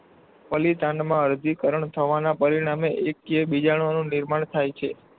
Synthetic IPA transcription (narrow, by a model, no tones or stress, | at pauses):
pəlit̪ãɳɖmãəɾd̪ʱikəɾəɳt̪ʰəʋanapəɾiɽ̃ameʔekːiebid͡ʒaɽ̃onũnɪɾmaɳt̪ʰajt͡ʃʰe